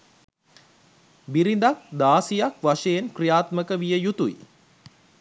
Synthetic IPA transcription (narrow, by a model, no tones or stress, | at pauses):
biɾind̪ak̚d̪aːsijakʋaʂejenkrijaːt̪məkəʋijəjut̪uji